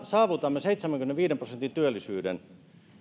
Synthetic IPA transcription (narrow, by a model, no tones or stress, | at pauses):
sɑːʋut̪ɑmːeseit̪semæŋkymneʋiːdemprosent̪int̪yølːisyːdḛn